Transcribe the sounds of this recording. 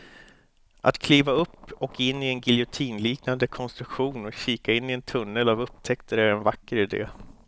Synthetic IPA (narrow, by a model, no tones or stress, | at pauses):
ʔa̰t̪kʰliːvaɵpːɔkɪnːɪɛnɡɪljʊt̪ʰiːnliːknand̪əkʰɔnst̪ɾɵkɧuːnɔkɕiːkaɪnːɪɛnt̪ʰɵnːəlavɵpːt̪ʰɛkt̪əɾæɾɛnvakːəɾɪd̪ḛː